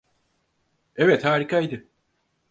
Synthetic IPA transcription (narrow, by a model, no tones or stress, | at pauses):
evɛt̪haːɾikʰajd̪ɯ